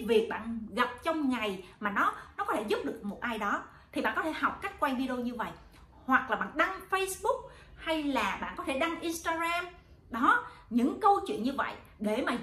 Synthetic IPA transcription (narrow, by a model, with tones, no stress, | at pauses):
vi˨˩ək̚ɓa̰ː˧˨nɣa˨˩p̚t͡ɕɔ˧wŋ͡mŋa˨˩jmaː˨˩nɔ˨˦nɔ˨˦kɔ˨˦e˧˩zu˦˥p̚ɗɨ˨˩ək̚mo˨˩t̚ʔaː˧jɗɔ˨˦ | t̪ʰi˨˩a̰ː˧˨ŋkɔ˦t̪ʰe˧˩ɦa˨˩wk͡p̚ka˦˥jk̟̚kwa˧nvi˧ɗe˧o˧ɲɨ˧və̰˧˨j | hwa˨˩k̚laː˨˩ɓa̰ː˧˨nɗa˧ŋfə˧jsɓʊ˦˥k̚ | ha˧jlaː˨˩ɓa̰ː˧˨nkɔ˨˦t̪ʰe˧˩ɗa˧ŋʔi˧nst̪aː˧ɣaː˧m | ɗɔ˨˦ɲɨ̰˧˥ŋkə˧wt͡ɕwḭ˧˨ənɲɨ˧və̰˧˨j | ɗe˧˩maː˨˩